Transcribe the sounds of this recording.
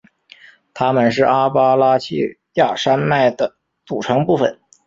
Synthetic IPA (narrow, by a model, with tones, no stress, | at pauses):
t̪ʰa˥mə˨nʂ̬ɻ̩˥˩a˥pa˥la˥t͡ɕʰḭ˥ | ja˥˩ʂa˥nma˥˩ɪd̪ə˩ | t͡su˨˩ʈ͡ʂʰɤ˧˥ŋpu˥˩fə̰˨˩˦n